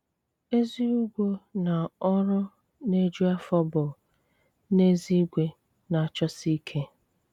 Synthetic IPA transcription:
e˦zi˦u˦ɡʷo˦na˨ɔ˦ɾʊ˦ | ne˦d͡ʒu˦a˦fɔ˦bɔ˨ | ne˦zi˦ɡʷe˦ | na˨a˨t͡ʃɔ˦si˦kʰe˦

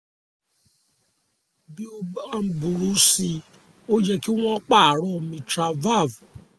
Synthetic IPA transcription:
bi˦o˦a˧m̩˨˦bu˨ɾu˨˦si˧ | o˦d͡ʒɛ˧ki˦w̃ɔ̃˦ɔ˦k͡pa˦˨ɾɔ˦˧˨mĩ˧tɾa˨va˦˨v

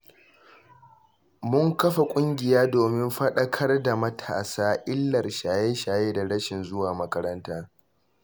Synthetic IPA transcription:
mʊ˦ŋkɐ˦ɸa˨kʷʼʊ˦ŋɡʲɪ˨jaː˦doː˨mɪ˦mɸɐ˦ɗɐ˦kʰɐ˦rda˨mɐ˦tʰa̰ː˨saː˦ʔɪ˦lːɐ˨rʃaː˨jeː˦ʃaː˨jeː˦da˨ɽɐ˦ʃɪ˨nzʊ˦waː˨mɐ˦kɐ˦ɾɐ˦ntaː˦

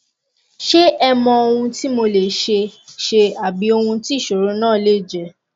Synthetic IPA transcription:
ʃe˦ɛ˧mɔ̃˧o˧wũ˧ti˦mo˧le˨ʃe˧ʃe˧a˨bi˨˦o˧hũ˧ti˦˨ʃo˨ɾõ˨˦nãː˦˨le˦˨d͡ʒɛ˨

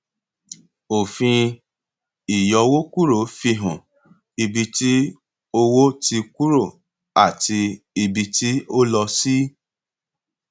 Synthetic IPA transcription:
o˨fĩ˧ | i˨jɔ˨˧wo˦ku˦ɾo˨˦fi˧˦ɦũ˨ | i˨bi˧ti˦ | o˧wo˦ti˧ku˦ɾo˦˨ | a˨ti˧ | i˨bi˧ti˦o˦lɔ˧si˦

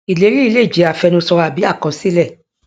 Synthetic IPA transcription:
i˨le˨˦ɾi˦i˧le˦˨d͡ʒi˨˦a˨fɛ˧nũ˧sɔ˧ɾa˧˨bi˨˦a˦˨kɔ̃˨˧si˦lɛ˦˨

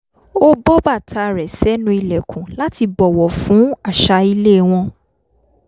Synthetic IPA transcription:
o˦bɔ˦ba˦˨tʰa˧˨ɾɛ˨sɛ˨˦nũ˧˦i˧lɛ˨kũ˨la˨˦ti˧bɔ˨wɔ˨fũ˨˦a˦˨ʃa˧i˧le˦˨w̃ɔ̃˧

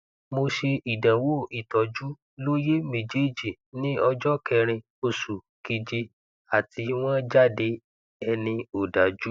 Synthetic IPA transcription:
mo˧ʃe˧i˨dã˨wo˦i˨tɔ˨d͡ʒu˦ | lo˦je˦mẽ˨d͡ʒe˦d͡ʒi˨ | nĩ˦ɔ˧d͡ʒɔ˦kɛ˧ɾ̃ĩ˧ | o˧su˨ | ki˧d͡ʒe˧ | a˨ti˧w̃ɔ̃˦d͡ʒa˦˨de˧ | ɛ˧nĩ˧o˨da˨d͡ʒu˦

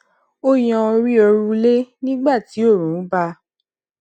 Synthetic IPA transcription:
o˦jɔ̃˧ɾi˦ɔ˧ɾũ˦le˦nĩ˦ɡ͡ba˦˨ti˨˦o˦˨ɾũ˨˦ba˧

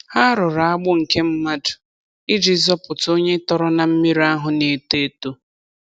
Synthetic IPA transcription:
ha˦ɾʊ˨ɾa˨a˦ɡ͡bʊ˦ŋ̩˨ke˦m̩˦ma˦dʊ̥˨ | i˦d͡ʒi˨zɔ˦pʊ˨to˦ɲe˦tɔ˦ɾɔ˦na˨m̩˦mi˦ɾi˦a˦ɦʊ˨ne˨te˦to˦

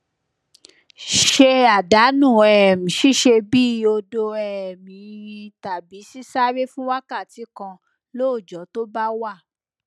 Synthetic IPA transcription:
ʃe˧a˨da˨˦nũ˦˨ɛ˨mĩ˨ʃi˦ʃe˧bi˦˨o˧do˧ɛ˨mĩ˨˦˧ji˧ta˨bi˨˦si˦sa˦ɾe˦fũ˦wa˦ka˦˨ti˨˦kã˧ | lo˦˨d͡ʒɔ˨˦to˦ba˦wa˦˨

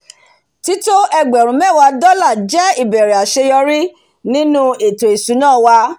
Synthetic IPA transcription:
ti˨˦to˦ɛ˧ɡ͡bɛ˨ɾũ˨˦mɛ̃˦˨wa˧dɔ˦la˦˨d͡ʒɛ˦i˦˨bɛ˨ɾɛ˨a˨ʃe˧jɔ˧ɾi˦ | nĩ˦nũ˦e˨to˨e˨su˨˦nãː˦˨wa˧˦

